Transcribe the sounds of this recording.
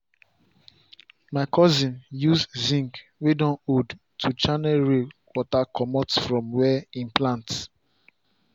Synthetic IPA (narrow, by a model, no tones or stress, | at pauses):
makʰɔzĩnjuzzĩŋkwedɔ̃nod | tʰut͡ʃanɛlɹewɔtakʰɔmɔtsfɹɔ̃mwɛĩnplãnt